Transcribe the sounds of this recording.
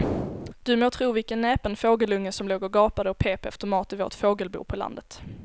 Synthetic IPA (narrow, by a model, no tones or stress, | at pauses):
d̪̥ɵmoːt̪ʰɾuːvɪlkənːɛːpənfoːɡəlɵŋːəsɔmloːɡɔɡɑːpad̪əɔpʰeːpɛ̰ft̪əmɑːt̪ɪvo̰ːt̪foːɡəlbṵːpʰɔla̰nd̪ət̪